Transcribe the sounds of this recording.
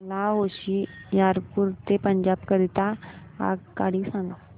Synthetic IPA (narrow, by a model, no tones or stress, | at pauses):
laɦoɕijaɾpuɾt̪epəɲd͡ʑabkəɾit̪a | a̰kaɽiːsãŋɡa